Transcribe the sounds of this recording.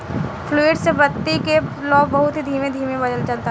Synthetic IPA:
pʰluːɪɖsebɐt̪ːikelɔːbɐɦʊt̪ɦid̪ʱiːmẽd̪ʱiːmẽbɐd̪əlt͡ʃɐlt̪a

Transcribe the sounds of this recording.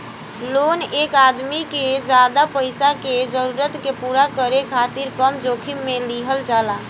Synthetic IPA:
lonekad̪miked͡ʒad̪apəjsaked͡ʒəɾuɾət̪kepuɾakəɾekʰat̪iɾkəmd͡ʒokʰimːeliɦəld͡ʒala

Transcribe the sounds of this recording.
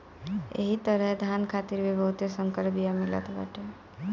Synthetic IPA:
ḛɦit̪əɾəɦd̪ʱankʰat̪iɾbebəɦut̪jesə̃ŋkəɾbijamilə̰t̪ba̰ʈe

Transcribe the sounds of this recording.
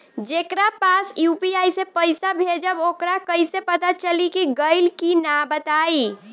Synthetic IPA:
d͡ʒekɾapasjupiajsepəjsabʱed͡ʒəbokɾakəjsepət̪at͡ʃəlikiɡəjlkinabət̪ai

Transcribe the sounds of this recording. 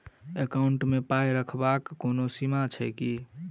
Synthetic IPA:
ekaʊɳʈmepajɾəkʰbakːonosimat͡ʃʰəɪki

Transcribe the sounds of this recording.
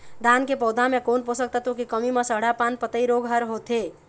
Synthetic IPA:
d̪ankepɔwd̪amekonposək̚t̪ət̪okikəmimesəɦɽapanpət̪əiɾoɡɦəɾɦot̪ʰe

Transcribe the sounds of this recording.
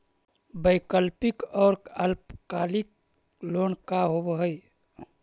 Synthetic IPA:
bəɪkəlpikɔːɾəlpkalik̚ | lonkaɦobɦəj

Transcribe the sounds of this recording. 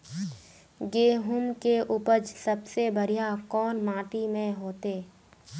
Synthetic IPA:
ɡeːɦʊmkeʔʊpəd͡ʒsəbsebəɾijakɔːnmãːʈimẽɦoːt̪eː

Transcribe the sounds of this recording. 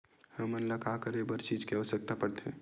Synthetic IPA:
həmənləkakəɾebəɾt͡ʃid͡ʒkeəʋəsək̚t̪apəɾt̪ʰe

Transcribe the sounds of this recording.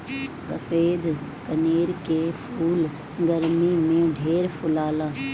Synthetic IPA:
sɐfeːd̪kɐneːɾkeːpʰuːl | ɡɐɾmimẽɖʱeːɾpʰʊlaːlaː

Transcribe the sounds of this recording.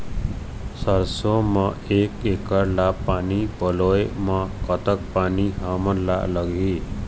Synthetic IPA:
sʌɾsomaekekʌɾlapanipʌlojmakʌt̪ʌk̚paniɦamʌɾla̰lʌɡʱi

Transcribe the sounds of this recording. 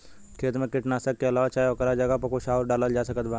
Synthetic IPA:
kʰeːt̪mẽkɪʈnaːsəkːeɐlaːʋat͡ʃaːjokəɾad͡ʒɐɡapɐkoʃaːuɾɖaːləld͡ʒaːsɐkət̪baː

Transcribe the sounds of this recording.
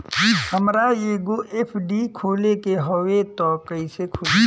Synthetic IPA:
həmɾajeːɡoʔepʰɖikʰoːlekeɦɔwet̪ɔːkəisekʰʊ

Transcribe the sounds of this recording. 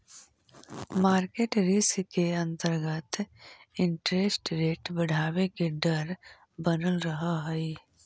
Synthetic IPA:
maːɾkeːʈɾiskeɐ̃nt̪əɾɡət̪ɪ̃ɳʈɾeːsʈɾeːʈbɐɽ̤ʱaːwekeɖəɾ | bənəlɾɐɦaɦɛi

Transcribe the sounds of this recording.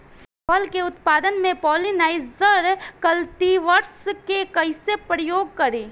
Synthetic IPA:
sɔlkeʊt̪paːd̪ənmẽpɔːlinaːɪzəɾkɐlt̪iʋɐɾskekɐɪsepɾəjoːɡ̚kɐɾiː

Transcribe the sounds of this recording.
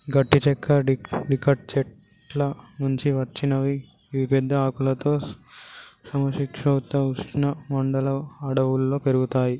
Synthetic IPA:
ɡɐʈːit͡ʃɛkːɐɖikɐʈ̚t͡ʃɛʈ | lɐnuɲt͡ʃiʋɐt͡ʃːinɐʋi | ʋipɛd̪ʱːɐaːkulɐt̪o̞ː | sɐmɐʃikʂɐwt̪ːɐuʂʈnɐmɐɳɖɐlɐːɽɐʋulːo̞ːpe̞ɾuɡut̪aːji

